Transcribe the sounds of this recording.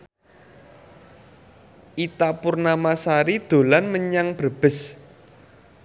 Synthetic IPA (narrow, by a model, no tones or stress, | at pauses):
ʔit̪apurnamasaɾid̪̥o̤lanməɲaŋb̥əb̥ɪ̤s